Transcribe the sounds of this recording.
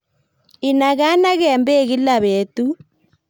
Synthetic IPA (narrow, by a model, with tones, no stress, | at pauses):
i˨na˨ɣa˦na˦ɣɛ˨mbe˦˨ɣi˦la˨βe˨˦tu˦